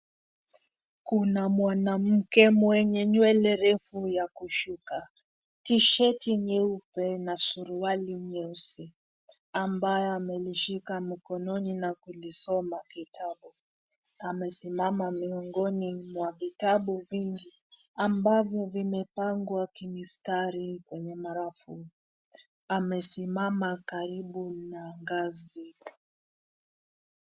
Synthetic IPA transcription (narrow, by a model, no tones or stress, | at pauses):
kunamwanam̩kɛmwɛɲɛɲwɛlɛɾɛfujakuʃuka | tiʃɛtiɲɛupɛnasuɾualiɲɛusi | ambajɔamɛliʃikamikɔnɔninakulisɔmakitʰaɓu | amɛsimamamiɔŋɡɔnimwavitaɓuviŋɡiambavjɔvimɛpaŋɡwakimistaɾikwɛɲɛmaɾafu | amɛsimamakaɾiɓunaŋɡazi